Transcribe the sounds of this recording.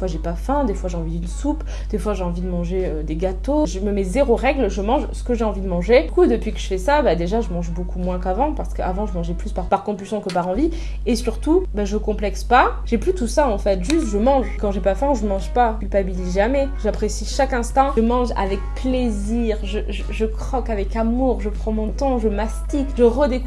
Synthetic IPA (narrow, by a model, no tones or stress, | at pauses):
fwaʒepafɛ̃d̪efwaʒeɑ̃vid̪ynsup | d̪̥efwaʒeɑ̃vid̪əmɑ̃ʒeød̪eɡat̪oʒəməmɛzeʁoʁɛɡlʒəmɑ̃ʒsə̥kəʒeɑ̃vid̪əmɑ̃ʒekud̪əpɥikəʒəfɛsabad̪eʒaʒəmɑ̃ʒbokumwɛ̃kavɑ̃paʁsə̥kəavɑ̃ʒəmɑ̃ʒɛplyspaʁpaʁkɔ̃pylsjɔ̃kəpaʁɑ̃vi | esyʁt̪ubaʒəkɔ̃plɛkspaʒɛplyt̪usaɑ̃fɛt̪ʒyst̪ʒəmɑ̃ʒkɑ̃ʒepafɛ̃ʒəmɑ̃ʒpakʲylpabilizʒamɛʒapχesiʃakɛ̃st̪ɑ̃ʒəmɑ̃ʒa̰vɛk̚pleziʁʒəʒəʒəkχɔkavɛkamuʁʒəpχɑ̃mɔ̃t̪ɑ̃ʒəmast̪ikʒəʁəd̪ek